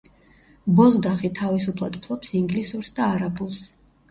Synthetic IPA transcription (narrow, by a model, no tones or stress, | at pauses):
bɔzd̪aχit̪ʰavisupʰlˠa̰d̪pʰlˠɔpsiŋɡlisuɾsd̪aːɾabulˠs